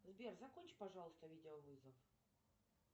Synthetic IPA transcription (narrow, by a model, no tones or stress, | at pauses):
zbʲerzɐkonʲt͡ɕpɐʐɑlˠəst̪əvʲidʲɪəvɨzəf